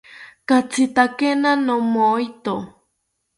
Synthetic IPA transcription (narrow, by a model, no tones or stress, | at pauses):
kat͡sit̪akenanomojt̪o